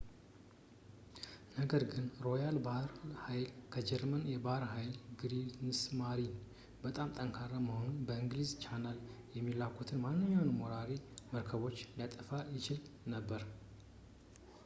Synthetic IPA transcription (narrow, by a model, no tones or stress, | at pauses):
nəɡəɾɡɨnɾo̞jalbahɾhajlkʰəd͡ʒɛɾmənjɛbahɾhajlɡɨɾinsmaɾin | bət̪ʼamt̪ʼəŋkʰaɾːaməho̞nubəɨŋɡlizt͡ʃʰanaljɛmːilakʷʰːut̪ʰɨnmanːɨɲːawnmoɾaɾiməɾkʰəβo̞t͡ʃːlijat̪ʼəfajɪt͡ʃɪlnəbːəɾ